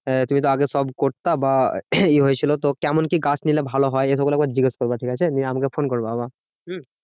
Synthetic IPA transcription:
t̪umit̪̬oaɡesɔbkoɾt̪abaeɦojet͡ɕʰilot̪okɛmonkiɡat͡ɕʰnilebʱaloɦɔeeʃɔkulɛk̚baɾd͡ʑiɡeskoɾbaʈʰikat͡ɕʰeniamakefonkoɾboaba | ɦ̩

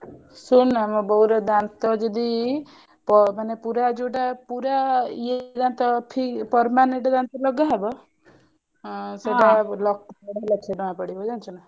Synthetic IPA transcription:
sunamɔbɔwɾɔd̪ant̪ɔd͡ʒɔd̪i | pɔmanepuɾad͡ʒuʈapuɾaied̪ant̪ɔpʰipɔɾmaneɳʈɔd̪ant̪ɔlɔɡaɦebɔ | seʈalɔk̚tɔɽelakʰeɖɔãpɔɽibɔd͡ʒant͡ʃʰuna

